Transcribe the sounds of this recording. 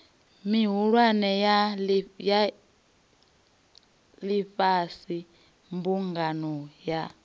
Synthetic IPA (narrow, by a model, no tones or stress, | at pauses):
miɦuɺwanɛjaja | liɸasi | mbuŋɡanɔja